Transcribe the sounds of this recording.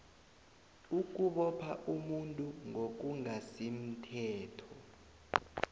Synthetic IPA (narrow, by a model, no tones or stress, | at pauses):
uk̬uɓɔpʰaʔumuntʼuŋʱok̬uŋasim̩tʰɛːtʰɔ